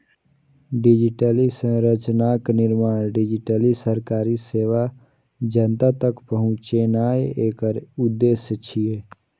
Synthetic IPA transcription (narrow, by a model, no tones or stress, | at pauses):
ɖɪd͡ʒɪʈəlisə̃ɾət͡ʃnaːknɪɾmaːɽ̃ɖɪd͡ʒɪʈəlisəɾkaːɾiseːʋa | d͡ʒənt̪at̪əkpəɦʊ̃t͡ʃenaːeeːkəɾʊd̪ːeːsjət͡ʃʰijeː